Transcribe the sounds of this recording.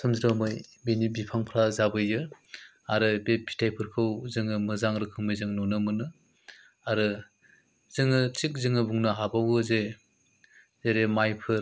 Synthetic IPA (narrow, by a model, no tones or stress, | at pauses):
sɯmziɾamɯjbenibipʰaŋpʰɾazabɯjɯ | aɾɯbepʰi̥tʰajpʰɯɾkʰɯwzɯŋɯmɯzaŋɾɯkʰɯŋmɯjzɯŋnɔnɯmɯnɯ | aɾɯ | zɯŋɯt͡ʃik̚zɯŋɯbuŋnɯɦabawɯze | zeɾemajpʰɯɾ